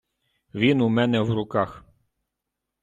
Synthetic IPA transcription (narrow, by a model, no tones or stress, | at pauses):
ʋʲinʊmɛnɛwɾʊkɑx